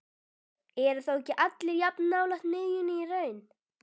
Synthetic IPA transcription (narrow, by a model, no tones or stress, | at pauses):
ɛɾʏ̥θowɛcːɪʔat̪lɪɾjapnːaːwlaxt̪nʏːjʏnɪirœːɥn